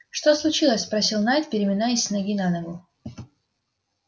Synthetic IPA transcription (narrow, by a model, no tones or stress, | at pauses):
ʂt̪oslˠʊt͡ɕilˠəsʲspɾɐsʲilˠnajt̪̚pʲɪɾʲɪmʲɪnajɪsʲnɐɡʲinanɐɡu